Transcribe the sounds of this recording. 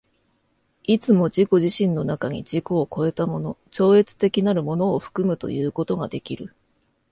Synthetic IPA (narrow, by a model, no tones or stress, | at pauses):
it͡sɨmo̞d͡ʑiko̞ʑiɕĩnːo̞nakaɲ̟ḭd͡ʑikoːko̞e̞t̪amo̞no̞t͡ɕo̞ːe̞t͡sɨ̥t̪e̞kʲinaɾɯ̟mo̞no̞ːɸɯ̟̥kɯ̟mɯ̟t̪o̞̰jɯ̟ːko̞t̪o̞ɡad̪e̞kʲiɾɯ̟